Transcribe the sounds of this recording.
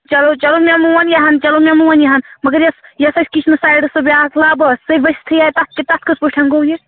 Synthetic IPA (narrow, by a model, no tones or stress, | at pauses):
t͡ʃɐlot͡ʃɐlomʲemuʋɐnjɐɦɐnt͡ʃɐlomʲemuʋɐnjɐɦɐnmɐɡɐɾjɐsjɐsɐsʲkit͡ʃʰnɨsaːjɖsɐbiaːkʰlabɐsɐʋɐst̪ʰɨjajt̪ɐt̪̚ʰket̪ɐt̪ʰkɐspəʈʰɐŋɡoje